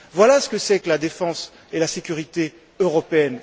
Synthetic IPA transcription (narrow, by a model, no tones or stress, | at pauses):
vwalasə̥kəsɛkəlad̪efɑ̃s | elasekʲyʁit̪e | øʁɔpeɛn